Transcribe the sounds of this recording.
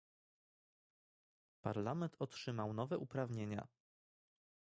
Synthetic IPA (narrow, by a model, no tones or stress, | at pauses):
pa̰ɾlamɛnt̪ʰɔtʂɘmawnɔvɛʔupɾavɲeɲa̰